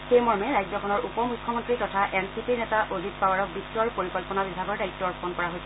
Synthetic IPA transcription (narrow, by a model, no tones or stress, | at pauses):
xejmɔɹmɛɹajd͡ʒzɔkʰɔnɔɹupɔmukʰːɔmɔntɹitɔtʰaʔɛnsipiɹnɛtaʔozitpawaɹɔk̚bitɹɔɹpoɹikɔlpɔnabibʱaɡɔɹdaitːɔɹpʰɔnkɔɹaɦojsʰɛ